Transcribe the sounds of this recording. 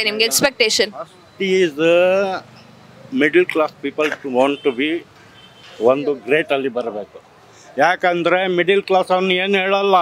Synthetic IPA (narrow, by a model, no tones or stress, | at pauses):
nimɡeekspek̚ʈeːʃɐnɐs | ʈiiːz | miɖɐlklaːspiːpɐlʋaːɳʈʈːubi | ʋond̪uɡɾeːʈɐlːibɐɾɐbeːku̥ | jaːkɐnd̪ɐɾemiɖɐlklaːsɐʋɐnːueːnɦeːɭɐlːɐ